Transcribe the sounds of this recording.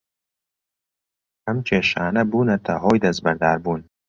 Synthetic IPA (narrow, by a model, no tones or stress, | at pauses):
kɐmt͡ʃʰeːʃaːnɐbuːnɐt̪ʰɐɦɔːjd̪ɐzbɐɾd̪aːɾbuːn